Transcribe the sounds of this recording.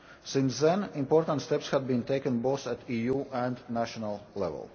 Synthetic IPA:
sɪ̃nsðɛ̃nĩmpoɾt̪ãnt̪st̪ɛpshæd̪̚bĩnt̪eɪkə̃nboʊθæt̪ijuːʔæ̃nd̪næʃɔnalˠlɛ̰vɛ̰lˠ

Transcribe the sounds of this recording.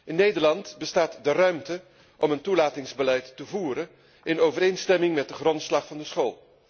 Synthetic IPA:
ʔɪnːejdəɹlɑntbəstaːtdərœɥmtə | ʔɔməntulaːtɪŋzbəlɛjtːəvuːɾə | ɪnowvəɾejnstɛmɪŋmɛt̚dəχrɔntslɑχfɑndəsχolˠ

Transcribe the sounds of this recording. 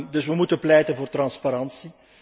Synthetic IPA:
dɵsʋəmutənplɛjtənvoːrtrɑnspaɾɑnsi

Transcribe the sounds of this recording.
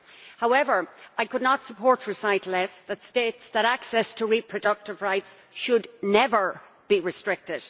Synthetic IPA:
haʊɛvə˞aɪkʰədⁿnətsəpʰɔɹtɹɨsaɪtʰlɛsðətsteːtsðəɾaksɛstʰəɹipʰɹ̥ədʌk̚tɪvɹaɪts | ʃədⁿnɛvə˞ | b̥iɹɨstɹ̥ɪk̚tɪd̥

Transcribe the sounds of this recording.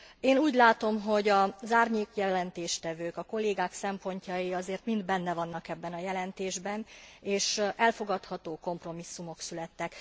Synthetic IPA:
eːnuːɟlaːt̪o̞mɦo̞ɟɒzaːrɲeːkjɛlɛnt̪eːʃt̪ɛvøːkɒko̞lːeːɡaːksɛmpo̞ɲcɒjiɒzeːrt̪mind̪bɛnːɛvɒnːɒkɛbːɛnɒjɛlɛnt̪eːʒbɛneːʃʔɛlfo̞ɡɒt̪hɒt̪oːko̞mpro̞misːumo̞ksylɛt̪ːɛk

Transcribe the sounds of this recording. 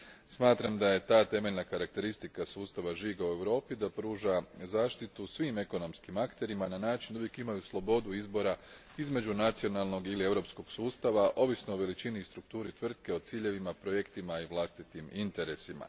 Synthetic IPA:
smaːt̪ɾamd̪aje̞t̪aːt̪e̞me̞ʎnakaɾak̚t̪e̞ɾist̪ikasuːst̪aʋaʒiːɡaue̞ʋɾo̞ːpid̪apɾuːʒazaːʃt̪it̪usʋiːme̞ko̞no̞mskimakt̪e̞ɾimananaːt͡ʃinduʋjekimajuslˠo̞bo̞d̪uizbo̞ɾa | izme̞d͡ʑunat̪sio̞nalˠno̞ɡilie̞ʋɾo̞psko̞ɡ̥suːst̪aʋaʔo̞ʋisno̞oʋe̞lit͡ʃinist̪ɾuk̚t̪uːɾit̪ʋr̩t̪ke̞o̞t̪siːʎe̞ʋimapɾo̞je̞kt̪imaiʋlˠast̪it̪imint̪e̞ɾe̞sima̰

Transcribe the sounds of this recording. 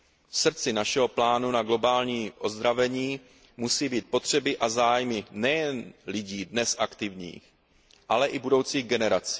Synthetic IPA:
fsr̩t͡sɪnaʃɛɦo̞plaːnunaɡlo̞baːlɲiːʔo̞zd̪ɾavɛɲiː | musiːbiːt̪̚po̞t̪r̝̥ɛbɪʔazaːjmɪnɛjɛnlɪɟiːdnɛsʔakt̪ɪvɲḭːx | ʔalɛʔɪbudo̞wt͡siːɣɡɛnɛɾat͡si̥

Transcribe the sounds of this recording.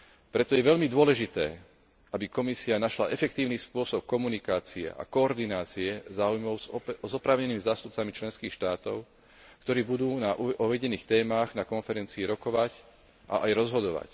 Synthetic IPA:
pɾɛt̪ɔjɛʋɛʎmid̪ʊɔlɛʒit̪ɛː | ʔabikɔmisianaʃla̰ʔɛfɛk̚t̪iːʊniːspʊɔsɔp̚kɔmunikaːt͡siɛ̰ʔa̰kɔːɾd̪inaːt͡siɛzaːujmɔʊzɔpɾaːʊɲɛniːmizaːst̪up̚t͡samit͡ʃlɛnskiːxʃt̪aːt̪ɔ̰ʊ | kt̪ɔɾiːbud̪uːnaɔʋɛɟɛniːxt̪ɛːmaːɣnakɔnfɛɾɛnt͡siːɾɔkɔʋac | ʔa̰ʔajɾɔzɦɔd̪ɔʋa̰c

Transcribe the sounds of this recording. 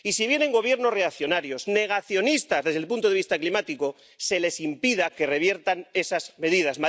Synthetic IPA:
isiβje̞ne̞ŋɡo̞β̞je̞ɾno̞sre̞akθjo̞naɾjo̞zne̞ɣ̞aθjo̞nist̪azðe̞zðelpunt̪oe̞ist̪aklimat̪iko̞ | se̞le̞simpiðake̞re̞βje̞ɾt̪ane̞sazme̞ðiðazma

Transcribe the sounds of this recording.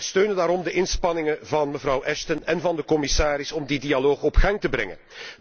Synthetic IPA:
støːnəndaːɾɔmdəʔɪnspɑnɪŋənvɑnməvɾɑwʔɛstənɛnvɑndəkɔmɪsaːɾɪsɔmdidialoːxɔpxɑŋtəbɾɛ̰ŋə̰n

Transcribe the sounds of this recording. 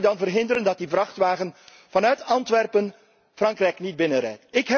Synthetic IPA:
dɑnvərɦɪndəɾəndɑt̚divrɑχtʋaːɣən | v̥ɑnœɥtɑntʋɛrpən | v̥rɑŋkrɛjknid̚bɪnəɾɛ̰jtɪkɦɛ

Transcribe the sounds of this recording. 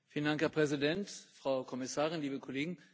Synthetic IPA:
fiːləndaŋkhɛɐpʁ̥ɛzidɛntfʁ̥aʊkʰɔmɪsaːʁɪnliːbəkʰɔleːɡŋ̩

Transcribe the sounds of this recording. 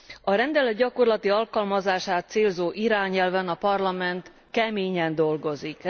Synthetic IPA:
ɒɾɛnd̪ɛlɛt̪ɟɒko̞rlɒt̪iɒlkɒlmɒzaːʃaːt̪̚seːlzoːʔiɾaːɲɛlvɛnɒpɒrlɒmɛnt̪ | kɛmeːɲɛnd̪o̞lɡo̞zik

